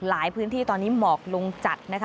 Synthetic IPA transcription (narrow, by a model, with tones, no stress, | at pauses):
laː˩˦jpʰɯː˦˥nt̪ʰiː˥˩t̪ɔː˧nːiː˦˥mɔː˨˩k̚lo˧ŋt͡ɕa˨˩t̪̚na˦˥kʰa˦